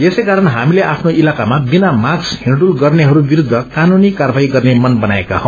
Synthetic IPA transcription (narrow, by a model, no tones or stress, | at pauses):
esejkaɾʌnɦamileʔapʰnoʔilakamabinamaɡshiɳɖulɡʌrneɦʌɾubiɾud̪ʱːʌkanunikarbaɦiɡʌrnemʌnbʌnaeka̰ɦʌw̃